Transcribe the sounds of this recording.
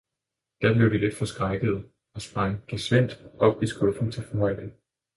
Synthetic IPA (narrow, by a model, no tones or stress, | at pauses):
d̥æɐb̥le̝ʊd̥ile̝d̥fɒ̽sɡ̥ʁɑ̈ɪɡ̥əð̞̩ˠ | ɒ̽sb̥ʁɑ̈ŋɡ̥æsʋen̰d̥ʔɒ̽b̥isɡ̥ɔ̽fn̩t͡sʰe̝lfɒmɑ̰ən̩